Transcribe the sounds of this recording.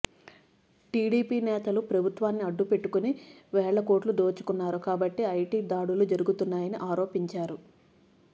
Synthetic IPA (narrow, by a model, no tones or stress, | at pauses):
ʈiːɽiːpiːnɛːt̪ɐlupɾɐbʱut̪ʋaːnːiɐɖːupe̞ʈːukuniʋɛːɭɐko̞ːʈlud̪oːt͡ʃu̥kunːaːɾukaːbɐʈːiɐjʈiːd̪aːɽulud͡ʒɐɾuɡut̪unːaːjɐniʔaːɾo̞ːpiɲt͡ʃaːɾu